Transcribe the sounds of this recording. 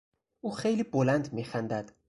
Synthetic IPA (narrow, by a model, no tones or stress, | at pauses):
ʔuːxejliːbolænd̪miːxænd̪æd̪̥